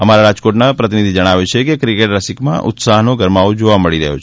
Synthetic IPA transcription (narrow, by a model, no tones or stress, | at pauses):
əmaɾaɾad͡ʒkoʈnapɾət̪inid̪ʱid͡ʒəɽ̃aʋjut͡ʃʰekekɾikeʈɾəsikmã̰ʔʊ̰t̪saɦnoɡəɾmaʋod͡ʒoʋaməɭiɾə̰ɦjo̰t͡ʃʰ